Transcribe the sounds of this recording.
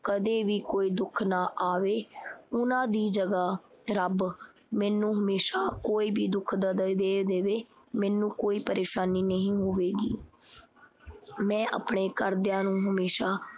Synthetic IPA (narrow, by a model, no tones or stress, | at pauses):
kəd̪eːʋiːkoːiːd̪ʊkʰnaːʔaːʋeːʊnãːd̪iːd͡ʒəɡaː | ɾəb | mɛ̃ːnũːɦəmeːʃaːkoːiːbiːd̪ʊkʰd̪d̪d̪eːd̪eːʋeː | mɛ̃ːnũːkoːiːpəɾeːʃaːniːnəɦĩːɦoːʋeːɡḭː | mɛ̃ːʔa̰pɳeːkəɾd̪ɪjãːnũːɦəmeːʃaː